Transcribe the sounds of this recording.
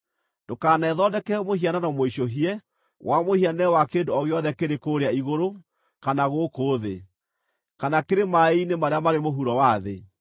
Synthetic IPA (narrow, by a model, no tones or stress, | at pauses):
dokaːnɛðɔdɛkɛmohiananɔmoiʃoɦiɛ | wʔamohianɛwakeːndoɔɣeɔðɛkeɾekoɾeaiɣoɾo | kanaɣokoːðe | kanakeɾemainemaɾeamaɾemoɦuɾɔwaðḛ